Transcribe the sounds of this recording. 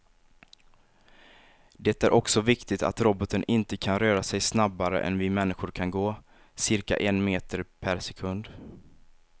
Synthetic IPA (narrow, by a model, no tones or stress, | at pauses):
d̪ɛt̪æɾʔɔksɔvɪkt̪ɪt̪a̰t̪ɾɔbɔt̪ənʔɪnt̪əkʰanɾœːɾasɛjsnabːaɾə̰ʔɛ̰nvɪmɛnːɪɧʊɾkʰanɡoː | sɪɾka̰ʔɛnmeːt̪əɾpʰæɾsɛkʰɵnd̪